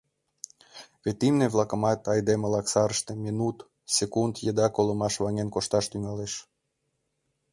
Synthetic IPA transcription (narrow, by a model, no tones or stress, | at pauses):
βet̪imneβlɑkə̆mɑt̪ɑjd̪eməlɑksɑɾəʃt̪emʲinut̪ | sekund̪jəd̪ɑkoləmɑʃβɑŋenkoʃt̪ɑʃt̪yŋɑleʃ